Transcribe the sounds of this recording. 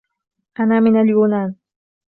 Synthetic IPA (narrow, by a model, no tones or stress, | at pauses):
ʔanaːmɪnaljuːnaːn